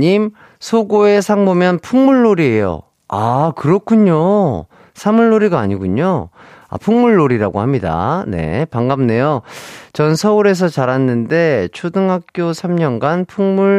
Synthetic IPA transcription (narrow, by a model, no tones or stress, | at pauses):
ɲim | sʰoɡoe̞sʰaŋbomjʌnpʰuŋmuɭːoɾie̞jo̰ | akɯɾʌkʰuɲo | sʰamuɭːoɾiɡaːɲiɡuɲo | a̰pʰuŋmuɭːoɾiɾaɡo̰hamɲida̰ne̞̰paŋɡamne̞jot͡ɕʌnsʰʌuɾe̞s̬ʰʌt͡ɕaɾɦanːɯnde̞t͡ɕʰudɯŋɦak̚k͈josʰamɲʌnɡanpʰuŋmuɭ